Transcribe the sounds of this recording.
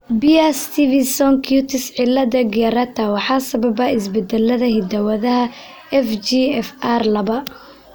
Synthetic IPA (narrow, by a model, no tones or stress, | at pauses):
bijɐst̪ʰivɪsɔŋkʰjut̪ʰɪsʕɪlːɐðɐɡɪɐɾɐt̪ʰɐwɑħɑːsɐbɐbɐɪs̬bɛd̪ɛlːɐðɐɦɪd̪ɐwɐðɐɦɐ | ɛfd͡ʒiɛfarlɐβɐ